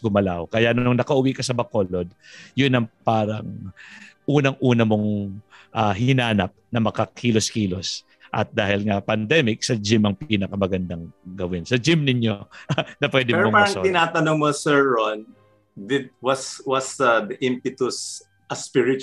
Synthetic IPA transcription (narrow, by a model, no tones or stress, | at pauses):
ɡʊmɐlawkɐjaʔnʊŋnɐkɐʔʊwikɐsɐbɐkolod̪̚jʊnɐŋpaːɾɐŋ | ʔuːnɐŋʔuːnɐmo̞ŋʔaɦɪnaːnɐp̚nɐmɐkɐkʰiːloskiːlo̞s | ʔɐ̰t̪̚d̪aːhɪlŋɐpɐnd̪ɛmɪk̚sɐd͡ʒɪmɐŋpiːnɐkɐmɐɡɐnd̪aŋɡɐwɪnsɐd͡ʒɪmnɪɲjo̞nɐpwɛːd̪ɪmɾomopaaɾɐɐŋt̪ɪnaːt̪ɐnoŋmosɛɹːon | dɪd̪wɐswɐsɐbɪʔɪmpɪt̪ʊs | ʔɐspɪɹɪt͡ʃ